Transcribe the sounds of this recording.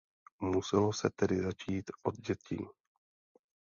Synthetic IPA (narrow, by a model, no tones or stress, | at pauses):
musɛlosɛt̪ɛdɪzat͡ʃiːt̪ʔod̪̚ɟɛcḭː